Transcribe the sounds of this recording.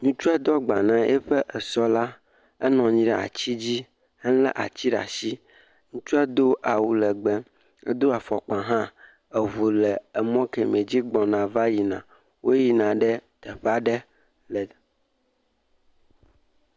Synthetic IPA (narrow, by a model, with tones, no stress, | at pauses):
ɲũ˦t͡ʃu˦ɛ˦d̪ɔ˦ɡ͡ba˨nã˨ʔḛ˦ɸɛ˦ʔɛ˨sɔ˦la˦ | ɛ˦nɔ̃˨ɲĩ˦ɖɛ˨a̰˨t͡ɕi˦d͡ʑi˦ | hɛ̃˦lɛ̰˦ʔa̰˨t͡ɕi˦ɖa̰˨si˦ | ŋũ˦t͡ʃu˦ɛ˦d̪o˦ʔa˨wu˨lɛ˨ɡ͡bɛ˨ | ḛ˦d̪o˦a˨fɔ˨k͡pã˨ɦã˦ | e˨vo˨lɛ˨ɛ˨mɔ̃˦ke˨mẽ˨d͡ʑi˦ɡ͡bɔ̃˨nã˨va˦ji˨nã̰˨ | wo˦ji˨nã˨ɖɛ˦t̪ɛ˨ɸa˦ɖɛ˦ | lɛ˨